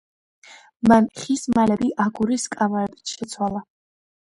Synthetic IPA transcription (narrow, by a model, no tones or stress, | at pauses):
manχismalɛbiʔaɡuɾiskʼamaɾɛbi̥t̪ʰʃɛt̪sʰwalˠa